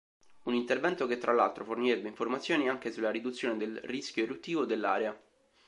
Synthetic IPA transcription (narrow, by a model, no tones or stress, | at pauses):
unint̪ervɛnt̪oket̪ːɾʔalːa̰lt̪ɾoforniɾebːeiɱformat̪sjoːniaŋk̟esulːaɾid̪ut̪sːjoːned̪elrisk̟joeɾut̪ːiːvod̪elːa̰ːɾea